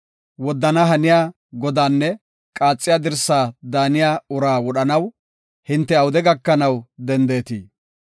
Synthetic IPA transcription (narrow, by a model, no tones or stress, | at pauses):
wɔd̪ːɐnɐɦɐnɪjaː | ɡɔd̪aːnːɛ | kʼaːt͡sʼːɪjaːd̪ɪɾsaːd̪aːnɪjaːʊɾaːwɔɗɐnɐw | hɪnt̪ːɛɐwʊd̪ɛɡɐkːɐnɐwd̪ɛnd̪eːt̪iː